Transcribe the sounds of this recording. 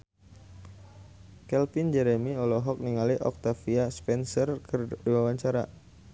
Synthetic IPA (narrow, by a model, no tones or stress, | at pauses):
kɛlfind͡ʒɛɾɛmiɔlɔɦɔk̚niŋaliʔɔ̰k̚t̪afiaspɛnsɔrkdiwawaɲt͡ʃaɾa